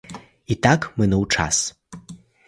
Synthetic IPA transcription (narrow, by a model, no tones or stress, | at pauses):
it̪akmɨnɨwʈ͡ʂʰa̰s